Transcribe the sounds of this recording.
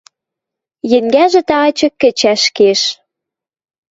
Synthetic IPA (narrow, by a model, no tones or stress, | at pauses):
jɘ̆ŋɡæʒĕt̪ɑɑt͡ɕɤ̆kːɘ̆t͡ɕæʃkeʃ